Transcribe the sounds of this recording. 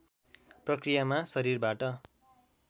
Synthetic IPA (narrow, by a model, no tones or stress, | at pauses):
prʌkrijamasʌɾirbaʈʌ